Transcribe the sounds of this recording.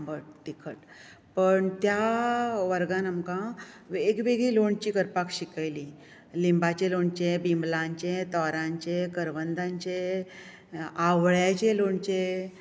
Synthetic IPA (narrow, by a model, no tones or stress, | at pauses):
mbəʈt̪ikʰəʈ | pəɳt̪jaʋəɾɡãnamkã | ʋeɡʋeɡiloɳt͡ɕiːkəɾpakɕikajli | limbat͡ɕeloɳt͡ɕebimblaɲt͡ɕẽt̪ɔɾãɲt͡ɕekəɾʋənd̪ʱãɲt͡ɕe | aʋɭjat͡ɕeloɳt͡ɕe